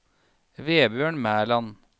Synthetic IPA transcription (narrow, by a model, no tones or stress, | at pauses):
ʋeːbjøːɳmæːɭɑn